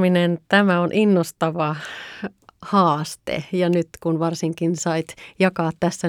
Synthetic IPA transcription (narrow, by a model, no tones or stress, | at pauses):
minent̪æmæonʔinːost̪ɑʋɑ | hɑːst̪ḛjɑnyt̪kunʋɑrsiŋkinsɑit̪jɑkɑːt̪tæsːæ